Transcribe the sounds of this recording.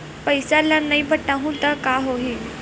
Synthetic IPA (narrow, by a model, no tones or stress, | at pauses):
pəjsalːanːaibʱəʈːaɦũt̪əkaɦoɦi